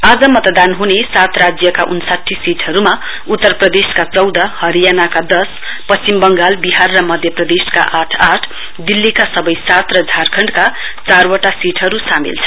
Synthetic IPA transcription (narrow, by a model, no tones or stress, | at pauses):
ad͡zʌmʌt̪d̪anɦunesat̪rad͡zjʌkaʔunsaʈʰːisiʈʰʌɾuma | ut̪ːʌrprʌd̪eskat͡sʌwd̪ʌhʌɾijanakad̪ʌs | pʌst͡simbʌŋɡalbiɦarːʌmʌd̪ʱjʌprʌd̪eska̰ʔaʈʰaʈʰ | d̪ilːikasʌbʌjsat̪rʌd͡zʱarkʰʌɳɖka | t͡sarwʌʈasiʈʰɦʌɾusamḭlt͡sʰʌ̥